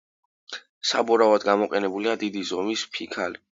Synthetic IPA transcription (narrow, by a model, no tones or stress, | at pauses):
sabɔɾavad̪ɡamɔqʼɛnɛbuliad̪id̪izɔmispʰikʰali